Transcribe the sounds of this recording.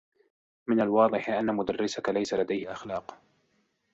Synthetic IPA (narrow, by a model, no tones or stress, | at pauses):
mɪnalwɑːd̪ˤɨħʔanːamʊd̪arːɪsakalajsalad̪ajhɪʔaxlɑːq